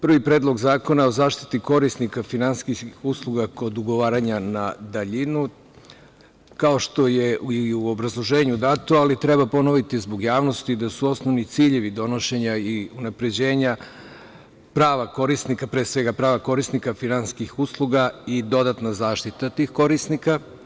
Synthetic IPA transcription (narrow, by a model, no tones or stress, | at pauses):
pr̩ʋipɾeːd̪lˠo̞ɡzaːko̞nao̞zaːʃt̪i̥t̪iko̞ɾisnikafinanskixuslˠuɡako̞d̪uɡo̞ʋaːɾaɲanad̪aʎinu | kao̞ʃt̪o̞jeiuo̞bɾazlˠo̞ʒe̞ːɲud̪at̪oalit̪ɾe̞bapo̞no̞ʋit̪izbo̞ɡjaːʋno̞st̪id̪asuo̞snoʋnit̪siʎe̞ʋid̪o̞no̞ʃe̞ɲaiunapɾe̞d͡ʑe̞ːɲa | pɾaːʋako̞ɾisnikapɾesʋe̞ɡapɾaːʋako̞ɾisnikafinanskixuːslˠuɡaid̪o̞d̪at̪nazaːʃt̪it̪at̪iːxko̞ɾisnika